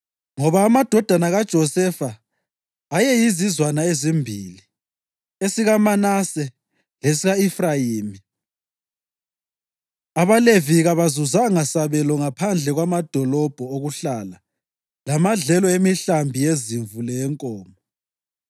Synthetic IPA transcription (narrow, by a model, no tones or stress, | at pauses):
ŋɔβaːmad̥ʱɔd̥ʱanaɣad̥ʒ̥ʱɔsɛfaː | jɛjizizwanaezimbʱili | esiɣamanasɛ | lesiɣaifrajiːmi | aβaleviɣaβazuzaŋasaβɛlɔŋapʰand͡ɮʱɛɣwamad̥ʱɔlɔb̥ʱɔoɣuɬala | lamaɮɛlɔemiɬambʱijeziɱvulɛɛŋkʼɔːmɔ